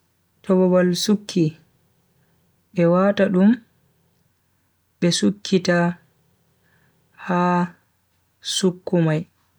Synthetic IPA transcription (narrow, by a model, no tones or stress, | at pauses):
tʰɔbɔbalsukʰːi | ɓɛwaːtaɗum | ɓɛsukʰːita | haː | sukːumaj